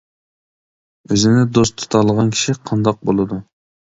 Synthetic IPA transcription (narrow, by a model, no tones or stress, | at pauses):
øzɪnɪd̪ost̪ʰu̥t̪ʰɑlˠəʁɑnkʲʰi̥ʃiqʰɑnd̪ɑq̚bolˠɨd̪u